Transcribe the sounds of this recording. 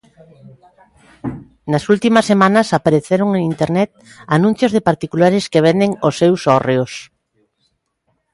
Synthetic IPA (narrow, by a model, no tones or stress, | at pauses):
nɐsult̪imɐsːemanɐsapaɾeθeɾoŋeŋint̪eɾnɛt̪̚ | anũn̟θjozðepaɾt̪ikulaɾeskeβ̞end̪eŋosːewsɔreos